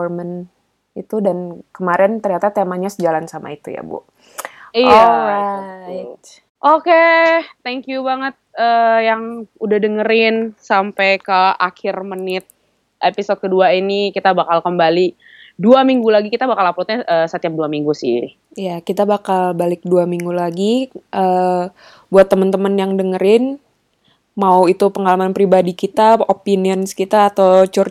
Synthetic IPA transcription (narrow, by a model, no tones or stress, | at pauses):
mən | it̪udankəmaɾɛnt̪ərɲat̪at̪emaɲasəd͡ʒalansama̰it̪uja̰bṵ | iɔlɾa | t̪̚ | ʔoket̪ɛŋkjubaŋət̪̚əːjaŋudahdəŋəɾɪnsampɛjkəakɪrmənɪt̪̚ | ʔepisod̚kəduainikit̪abakalkəmbali | duamiŋɡulaɡikit̪abakalaplut̪̚ɲaʔəsət̪iap̚duamiŋɡusɪ̰ | ijakit̪abakalbalɪk̚duamiŋɡulaɡiʔə | buat̪ːəmənt̪əmənjaŋdəŋəɾɪn | mauit̪upəŋalamanpɾibadikit̪aopiniənskit̪aːt̪awt͡ʃur